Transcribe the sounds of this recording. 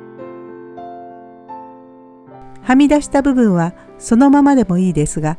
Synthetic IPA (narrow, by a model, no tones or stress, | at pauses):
hamʲid̪aɕi̥t̪abɯ̟bɯ̟̃ɰ̃βa | so̞no̞mamad̪e̞mo̞iːd̪e̞sɨɡa